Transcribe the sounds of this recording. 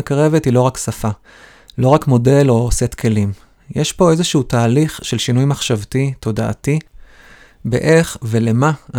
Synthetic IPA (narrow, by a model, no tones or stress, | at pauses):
kʁe̞vetilo̞ʁaksafa | lo̞ʁakmo̞de̞lo̞set̪kʰe̞lim | jeʃpo̞e̞zeʃuutaːliχʃe̞lʃinujmaχʃavtit̪o̞daʔːti | be̞̰ʔe̞χve̞le̞maa